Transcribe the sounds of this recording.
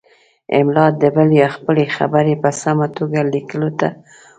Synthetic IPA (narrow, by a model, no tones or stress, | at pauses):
ɪ̰mlɑt̪̚d̪əbəljɑxpəlexa̰bəɾepəsamat̪oɡalikəlot̪a